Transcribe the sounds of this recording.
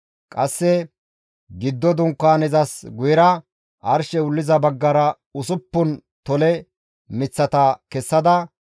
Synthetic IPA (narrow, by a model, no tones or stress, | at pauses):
kʼɐsːɛ | ɡɪd̪ːɔd̪ʊŋkːaːnɛzɐsɡʊjɪɾɐ | ʔɐɾʃɛʊlːɪzɐbɐɡːɐɾɐ | ʊsʊpːʊnt̪ɔlɛ | mɪt͡sːɐt̪ɐkɛsːɐd̪ɐ